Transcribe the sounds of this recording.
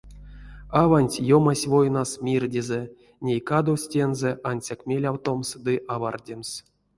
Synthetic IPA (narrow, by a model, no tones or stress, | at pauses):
avanʲtʲjomasʲvo̞jnasmʲirdʲize | nʲejkad̪owsʲtʲenzeʔanʲsʲakmʲelʲawt̪o̞msd̪ɨʔavardʲems